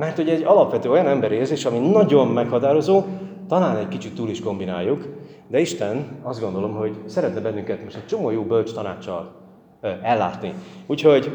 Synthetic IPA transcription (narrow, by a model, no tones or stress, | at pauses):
mɛrt̪hoɟɛɟːɒlɒpʋɛt̪øːo̞jɒnɛmbɛɾieːrzeːʃɒminɒɟo̞mːɛkhɒt̪aːɾo̞zoːt̪ɒlaːnɛckit͡ʃit̪ːuːliʃko̞mbina̰ːjːuk | d̪ɛiʃt̪ɛnɒzd̪ɡo̞nd̪o̞lo̞mɦo̞ɟsɛɾɛt̪nɛbɛnːyŋkɛt̪moʃt̪ɛc̚t͡ʃo̞moːjoːbølt͡ʃt̪ɒnaːt͡ʃːɒ̰l | ɛlːa̰ːt̪niuːcho̞ɟ